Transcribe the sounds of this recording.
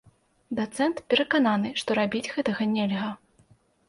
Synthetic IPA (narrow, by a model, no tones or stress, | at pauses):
d̪at̪sɛnt̪pʲɛɾɐkananɨʂt̪ɔɾabʲid͡zʲɣɛt̪ɐɣɐnʲɛlʲɣɐ